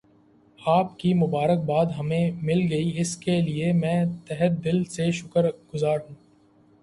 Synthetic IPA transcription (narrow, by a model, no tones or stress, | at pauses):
aːpkimʊbaːɾək̚baːd̪ɦɐmẽmɪlɡɐiɪskeliemɛ̃ːt̪ɛɦət̪̚d̪ɪlseʃʊkəɾɡʊzaːɾũː